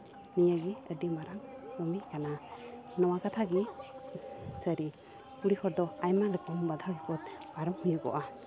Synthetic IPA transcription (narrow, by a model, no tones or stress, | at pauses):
nijaɡiədimaɾaŋɾɔmikana | nɔwakat̪ʰaɡi | səɾi | puɽihɔɾd̪ɔajmalɛkɔmbad̪ʱaɡikɔt̪̚baɾɔmhujuɡɔ̰ʔa